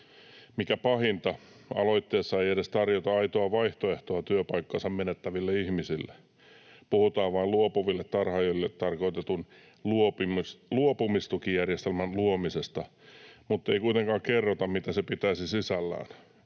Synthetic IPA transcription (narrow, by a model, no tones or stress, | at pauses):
mikæpɑhint̪ɑ | ɑ̰loit̪ːeːsːɑeieɾest̪ɑrjot̪ɑɑit̪oɑʋɑiht̪oeht̪oɑt̪yøpɑikːɑnsɑmmenet̪ːæʋilːeihmisilːe | puhut̪ɑːʋʋɑiluopuʋilːet̪t̪ɑrhɑjolːet̪t̪ɑrkoit̪et̪un | luopimsluopumist̪ukijjærjest̪elmænluomisest̪ɑmut̪ːeikuit̪eŋkɑːkkerːot̪ɑmmit̪æsepit̪æisisisælːæ̰ːn